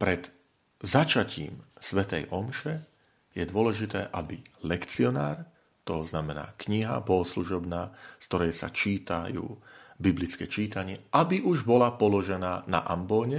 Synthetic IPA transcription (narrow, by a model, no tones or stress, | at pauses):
pɾɛd̪ | zat͡ʃacḭːmsʋɛt̪ɛ̰jʔɔmʃɛ | jɛd̪ʊɔlɛʒit̪ɛ̰ːʔabilɛkt͡siɔna̰ːɾ | t̪ɔznamɛna̰ːkɲiɦa̰bɔɦɔsluʒɔbnaːskt̪ɔɾɛjsa̰t͡ʃiːt̪ajṵːbiblit͡skɛːt͡ʃiːt̪aɲɪɛʔabiʔuʒbɔlapɔlɔʒɛnaːna̰ʔambɔːɲɛ